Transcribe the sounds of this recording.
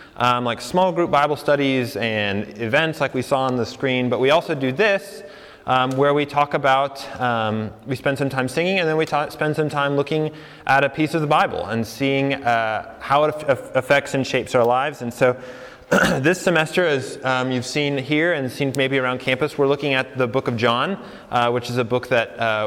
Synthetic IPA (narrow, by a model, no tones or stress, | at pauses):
ʔʌ̃mlaɪksmɔlˠɡɹup̚b̥aɪbl̩ˠstʌɾizɨ̃nɪvɛ̃ntslaɪkwisɔə̃nðɨskɹĩnbʌʔ̚wiɔlˠsoʊdɨðɪs | ʔʌ̃mwə˞witʰɔkəbaʊt̚ʌ̃mwispɛ̃ndsʌ̃mtʰãɪ̃msɪ̃ŋɪ̃ŋɨ̃nðɨ̃nwitʰspɛ̃nd̥sʌ̃mtʰãɪ̃mlʊkɪ̃ŋ | ʔəɾɨpʰisʌvðəbaɪbl̩ˠə̰̃nsiɪ̃ŋʌhaʊəɾɨɨfɛk̚tsɨ̃n̩ʃeɪpsaʊə˞laɪvzɨ̃n̩soʊ | ðɪsɨmɛstə˞ɪzjʉv̥sĩnɦiɹɨ̃nsĩnmeɪbiɨ˞ãʊ̃n̚kʰæ̃mpɨswəɹlʊkɪ̃ŋɨt̪̚ðɨbʊkʌvd͡ʒɑ̃n | ʔwɨt͡ʃɨzɨbʊk̚ðɨt̚ʌ